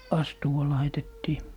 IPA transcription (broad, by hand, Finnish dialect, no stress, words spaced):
ɑstuwɑ lɑitetːiː